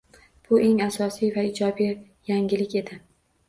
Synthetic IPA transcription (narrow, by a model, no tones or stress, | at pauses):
b̥ʊʔe̞ŋasɒsijvaɪd͡ʒɒbij | jaŋɡʲɪlɪkʲe̞d̪ɪ